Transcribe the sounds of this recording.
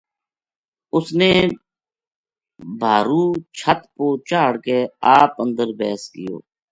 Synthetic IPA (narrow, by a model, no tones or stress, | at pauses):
ʊsneː | bʱaːɾuːt͡ʃʰət̪poːt͡ʃaːɽkeːaːpə̃nd̪əɾbɛːskɪjo̰ː